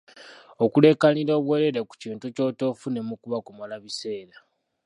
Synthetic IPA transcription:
okule̞kaniɾo̞ːβweɾeɾeku̥ciːntuco̞ːto̞fune̞mukuβakomalaβise̞ːɾa

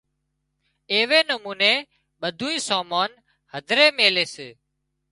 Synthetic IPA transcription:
eːʋeːnəmuːneː | ɓəd̪ʱuːĩːsaːmaːn | həd̪ʱɾeːmeːleːseː

